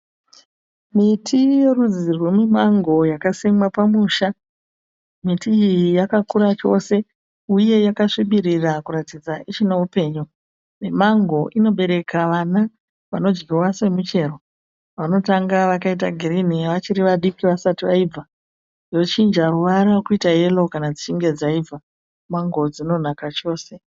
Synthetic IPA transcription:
mitʰije̞rud͡zirwe̞memaŋɡo̞jakasemwapamuːʃa | mitiːjijakakuɾat͡ʃo̞se̞ | uje̞jakaʂiɓirirakuratid͡zaʔit͡ʃinaupe̞ːɲu | nemaŋɡo̞ʔino̞ɓe̞ɾe̞kʰaʋana | ʋano̞d͡ʒɡirwase̞mit͡ʃe̞ɾo | ʋano̞taŋɡaʋakait̬aɡʱiɾiniʋat͡ʃiɾiʋaɗikiʋasatiʋaib͡va | jo̞t͡ʃind͡ʒaruʋaɾakuitaje̞lo̞kanad͡zit͡ʃiŋɡe̞d͡zaiva | maŋɡo̞d͡zino̞nakat͡ʃo̞ːse̞

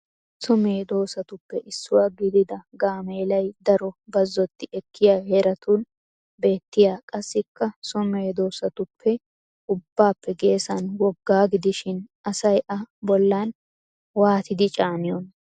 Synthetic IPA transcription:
sɔmeːd̪o̞ːsɐt̪ʊpːɛʔɪsːʊwaɡɪd̪ɪd̪ɐɡaːmeːlɐjd̪ɐɾɔbɐzːɔt̪ːɪʔɛkʰːɪjaːheɾɐt̪uːn | be̞ːt̪ːɪjaːkʼɐsːɪkːɐsʊmeːd̪o̞ːsɐt̪ʊpʰːɛ | ʊbːaːpːɛɡe̞ːsɐnwɔɡːaːɡɪd̪ɪʃɪn | ɐsɐjʔɐbɔlːaːn | waːt̪ɪd̪ɪt͡ʃʼaːnɪjɔn

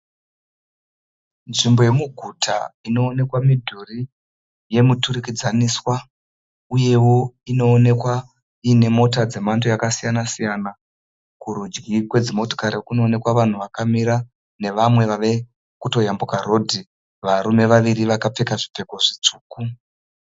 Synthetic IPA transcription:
nʐimbo̞je̞muɡʱutʰa̰ino̞ːne̞kwamidʱuri | je̞muturikid͡zaniswa | uje̞wo̞ino̞ːne̞kwa | iːne̞mo̞tad͡ze̞mantʰojakasijanasijana | kuɾud͡ʒɡikwe̞d͡zimo̞to̥kaɾekuno̞ːne̞kwaʋan̤uʋakamiɾa | ne̞ʋamwe̞ʋaʋe̞ | kuto̞jambukaɾo̞dʱi | ʋaɾume̞ʋaʋiɾiʋakap͡fe̞kaʐipe̞ko̞ʐit͡suːku

